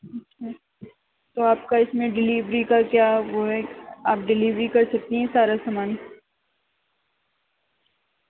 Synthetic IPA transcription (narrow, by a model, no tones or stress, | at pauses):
ɐtːʃʰa | t̪oːaːp̚kaɪsmẽɖɪliːʋɾikakjaːʋoɦɛaːpɖɪliːʋɾikɐɾsɐk̚t̪iɦɛ̃saːɾasamaːn